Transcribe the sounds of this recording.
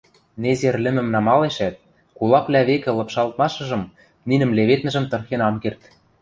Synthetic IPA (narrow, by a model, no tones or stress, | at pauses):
nezerlʲɘ̆mɘ̆mnɑmɑleʃæt̪̚ | kulˠɑplʲæβekɘ̆lɤ̆pʃɑlˠt̪̚mɑʃɤ̆ʒɤ̆m | ninɘ̆mleβet̪nɘ̆ʒɘ̆mt̪ɤ̆rxenɑmkert̪